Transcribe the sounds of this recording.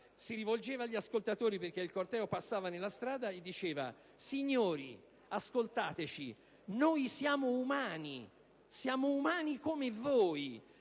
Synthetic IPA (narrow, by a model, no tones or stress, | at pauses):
siɾivold͡ʒeːvaʎːiaskolt̪at̪oːɾiperk̟eilkort̪ɛːopasːaːvanelːast̪ɾaːd̪aed̪ːit͡ʃeːva̰ | siɲːoːɾḭ | askolt̪aːt̪et͡ʃi | noːjsjaːmoumaːni | sjaːmoumaːnikomevoːj